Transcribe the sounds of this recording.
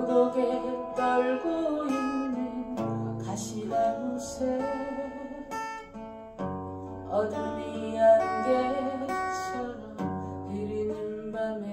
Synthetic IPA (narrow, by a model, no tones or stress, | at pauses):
ɡoɡekʌɭɡoinnikaɕʰilaɡusʰe | ʌdɯmianɡe | t͡ɕʰʌɾoiɾinɯnbame